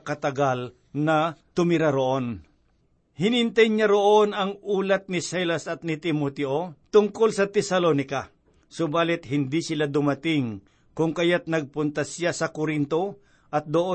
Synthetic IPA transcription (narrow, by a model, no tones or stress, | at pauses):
kɐt̪ɐɡal | nɐt̪ʊmɪɾaɾoʔo̞n | hɪnɪnt̪ajɲaɾoʔonɐŋuːlɐt̪̚nɪsajlasɐt̪̚nɪt̪ɪmot̪ɛʔot̪ʊŋkolsɐt̪ɛsɐlonɪka | sʊbaːlɪt̪̚hɪnd̪isɪlad̪ʊmɐt̪ɪŋ | kʊŋkɐjat̪̚nɐɡ̚pʊnt̪asjasɐkʊɾɪnt̪o̞ | ʔɐt̪̚d̪oʔo